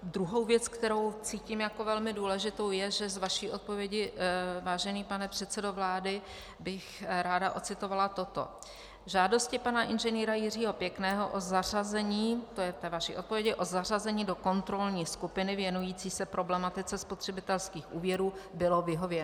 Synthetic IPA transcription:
d̪ɾuɦo̞wvjɛt͡skt̪ɛɾo̞wt͡siːciːmjako̞vɛlmɪduːlɛʒɪt̪o̞wjɛʒɛzvaʃiːʔo̞t̪̚po̞vjɛɟɪvaːʒɛniːpanɛpr̥ɛt̪sɛdo̞vlaːdɪ | bɪxɾaːdaʔo̞t̪t͡sɪt̪o̞valat̪o̞t̪o̰ | ʒaːdo̞scɪpanaʔɪnʒɛniːɾajɪriːɦo̞pjɛknɛːɦo̞ʔozarazɛɲiːt̪o̞jɛt̪ɛːvaʃḭʔot̪̚povjɛɟɪʔo̞zar̝azɛɲiːdo̞ko̞nt̪ɾo̞lɲiːskupɪnɪvjɛnujiːt͡siːsɛpɾʔo̞blɛmat̪ɪt͡sɛspot̪r̝̥ɛbɪt̪ɛlskiːxʔuːvjɛɾuːbɪlo̞vɪɦo̞vjɛn

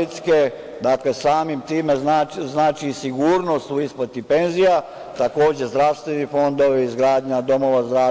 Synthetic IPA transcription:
it̪ske | d̪aklesaːmimt̪iːme̞znaznaːt͡ʃisiɡuːɾno̞st̪uispot̪ipe̞nzija | t̪ako̞ːd͡ʑe̞zd̪ɾaʋst̪ʋenifo̞nd̪o̞ʋiizɡɾaːd̪ɲad̪o̞mo̞ʋazd̪ɾa

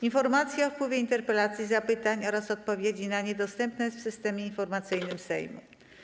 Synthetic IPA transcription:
infɔɾmat̪sʲjɛɔfpwɘvʲjeint̪ɛɾpɛlat̪sʲjizapɘt̪aɲɔɾasɔt̪̚pɔvʲjed͡ʑinaɲɛd̪ɔst̪ɛmpnɛfsɘst̪ɛmʲjeinfɔɾmat̪sɘjnɘmsɛ̰jmṵ

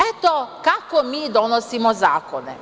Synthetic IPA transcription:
et̪okakomiːd̪onosimozaːkonḛ

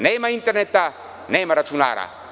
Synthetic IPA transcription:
nemaint̪ernet̪a | nemaɾaʈ͡ʂuna̰ɾa̰

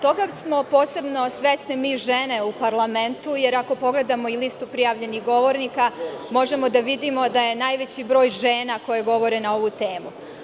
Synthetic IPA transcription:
t̪o̞ɡasmo̞po̞ːse̞bno̞sʋe̞snimiːʒene̞upaɾlˠame̞nt̪uje̞ɾako̞po̞ɡle̞d̪amo̞ilist̪upɾijaʋʎe̞niɣɡo̞ʋo̞ɾnikamo̞ʒe̞mo̞d̪aʋid̪imo̞d̪aje̞naːjʋe̞t͡ɕibɾo̞ːjʒeːnako̞je̞ɡo̞ʋo̞ɾe̞nao̞ʋut̪e̞ːmu

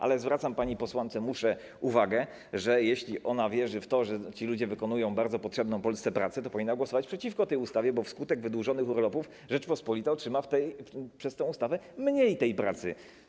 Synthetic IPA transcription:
ʔa̰lɛzvɾat̪sampaɲipɔswant̪sɛmuʂɛ | uvaɡɛ | ʐɛjeɕlʲiʔɔnavʲjɛʐɘft̪ɔʐɛt͡ɕilud͡ʑɛvɘkɔnujɔ̃w̃baɾd̪zɔpɔtʂɛbnɔ̃w̃pɔlst̪ɛpɾat̪sɛt̪ɔpɔvʲinːaɡwɔsɔvat͡ɕpʂɛt͡ɕifkɔt̪ɛjust̪avʲjɛbɔfskut̪ɛɡvɘd̪wuʐɔnɘxuɾlɔpuf | ʐɛt͡ʂpɔspɔlʲit̪aɔtʂɘmaft̪ɛjpʂɛst̪ɛ̃w̃ust̪avɛmɲejt̪ɛjpɾa̰t̪sɘ

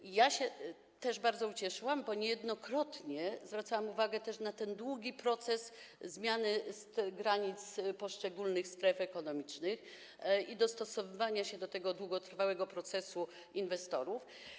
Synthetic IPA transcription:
jaɕɛ | t̪ɛʐbaɾd̪zɔut͡ɕɛʂɘwambɔɲɛjɛd̪nɔkɾɔt̪ɲɛzvɾat̪sawamuvaɡɛt̪ɛʂnat̪ɛnd̪wuɡʲipɾɔt̪sɛszmʲjanɘst̪ɡɾaɲit̪spɔʂt͡ʂɛɡulnɘxst̪ɾɛfɛkɔnɔmʲit͡ʂnɘx | id̪ɔst̪ɔsɔvɘvaɲaɕɛd̪ɔt̪ɛɡɔd̪wuɡɔt̪ɾfawɛɡɔpɾɔt̪sɛsu | invɛst̪ɔɾuf

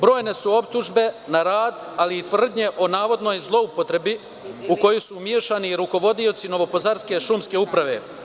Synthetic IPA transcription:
bɾo̞ːjne̞suo̞p̚t̪uʒbe̞naɾaːd̪aliːt̪ʋr̩d̪ɲe̞ʔo̞naːʋo̞d̪no̞jzlˠo̞upo̞t̪ɾe̞bi | uko̞jusumjeʃaniɾuko̞ʋo̞d̪io̞t̪sino̞ʋo̞po̞zaɾske̞ʃumske̞upɾaʋe̞̰

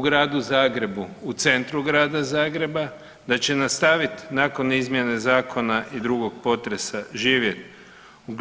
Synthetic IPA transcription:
ɡɾaːd̪uzaːɡɾe̞buut̪se̞nt̪ɾuɡɾaːd̪azaːɡɾe̞ba | d̪at͡ʃe̞nast̪aʋit̪nako̞nizmje̞ne̞zaːkʰo̞naʔid̪ɾuɡo̞ɡ̚po̞t̪ɾe̞saʒiːʋje̞t̪̚ | uɡ

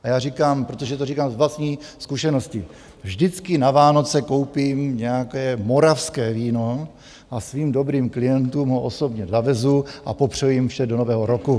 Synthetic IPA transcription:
ʔajaːrikaːmpɾot̪oʒɛt̪orikaːmzlast̪ɲiːskuʃɛno̞scɪ | vʒdɪt͡skɪnavaːno̞t͡sɛko̞wpimɲɛjakɛːmo̞ɾafskɛːviːno̞ | ʔasviːmdo̞bɾiːmklɪjɛnt̪uːmɦoʔoso̞bɲɛzavɛzuʔa̰popr̝̥ɛjujɪmfʃɛdonovɛːɦoɾoku

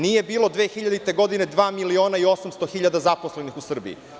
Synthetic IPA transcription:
nije̞biːlo̞d̪ʋeːxiʎad̪it̪e̞ɡo̞d̪ine̞d̪ʋaːmilio̞ːnaio̞samst̪o̞xiʎad̪azaposlenixusr̩bḭḭ

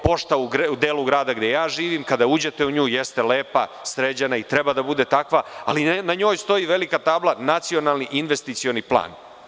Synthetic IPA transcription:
po̞ʃt̪auɡɾud̪eːluɡɾaːd̪aɡd̪je̞jaːʒiːʋiːmkad̪auːd͡ʑe̞t̪euɲuːjest̪eleːpa̰sɾed͡ʑanait̪ɾe̞bad̪abud̪e̞t̪akʋaa̰linaɲo̞ːjst̪o̞jiʋe̞likat̪aːblˠanat̪sio̞nalˠniʔinʋe̞st̪it̪sio̞niplˠa̰ːn

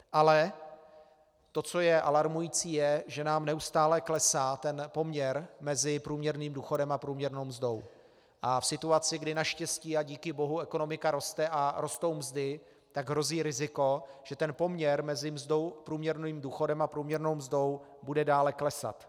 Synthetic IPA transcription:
ʔalɛ | t̪o̞t͡so̞jɛʔalaɾmujiːt͡siːjɛʒɛnaːmnɛust̪aːlɛklɛsaːt̪ɛnpo̞mɲɛɾmɛzɪpɾuːmɲɛɾniːmduːxo̞dɛmapɾuːmɲɛɾnowmzdo̞w | ʔafsɪt̪uat͡sɪɡdɪnaʃcɛsciːaɟiːkɪbo̞ɦuɛko̞no̞mɪkaɾo̞st̪ɛʔaɾo̞st̪o̞wmzdɪ | t̪aɡɦɾo̞ziːɾɪzɪko̞ʒ̥ɛt̪ɛnpo̞mɲɛɾmɛzɪmzdowpɾuːmɲɛɾniːmduːxo̞dɛmapɾuːmɲɛɾno̞wmzdo̞w | budɛdaːlɛklɛsa̰t̪

